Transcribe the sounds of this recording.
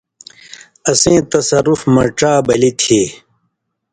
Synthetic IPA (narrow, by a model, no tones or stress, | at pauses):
ɐsẽːt̪ɐsɐɾufmɐʈ͡ʂaːbɐlit̪ʰeː